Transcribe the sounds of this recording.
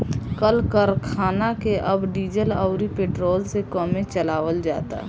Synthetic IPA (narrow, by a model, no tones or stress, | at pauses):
kəlkəɾkʰaːnakeʔəbɖiːd͡ʒəlɔʊɾipeːʈɾoːlsekɔːmẽt͡ʃəlaːʋəld͡ʒa̰ːt̪a̰